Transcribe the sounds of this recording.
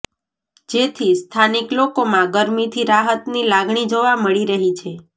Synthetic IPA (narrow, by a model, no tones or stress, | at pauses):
d͡ʒet̪ʰist̪ʰaniklokomãɡəɾmit̪ʰiɾaɦət̪nilaɡɳ̃id͡ʒoʋaməɭiɾəɦit͡ʃʰe